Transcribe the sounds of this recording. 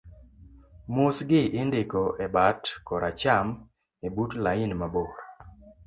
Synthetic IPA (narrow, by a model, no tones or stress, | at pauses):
mosɡɪʔɪndɪkɔʔɛbatkɔɾat͡ʃam | ebutlaɪnmaboɾa